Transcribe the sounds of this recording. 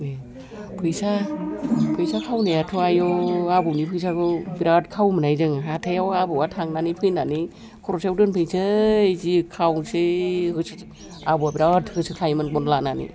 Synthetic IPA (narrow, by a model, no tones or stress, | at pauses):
e | pʰɯjsa | pʰɯjsakʰawnejatʰuajɔabɯwnipʰɯjsakɯbiɾat̚kʰawmɯnajzɯŋɦatʰejawabɯwatʰaŋnanipʰɯjnani | kʰɔɾɔsewdɯnpʰɯjsʰɯzikʰawsehɯsɯ | abuabiɾatʰhɯsɯkʰajmɯnbɔnlananḭ